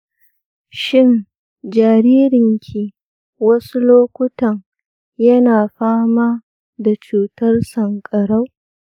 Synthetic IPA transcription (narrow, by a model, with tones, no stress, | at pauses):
ʃɪ˦˨n | d͡ʒaː˨ɾiː˦ɾɪ˨ŋkʲʰi˨ | wɐ˦su˦loː˦kʷʊ˦tɐ˨ŋ | jɐ˦naː˨ɸaː˦maː˦ | da˨t͡ʃuː˨tɐ˦rsɐ˨ŋkʼɐ˨ɽa˦w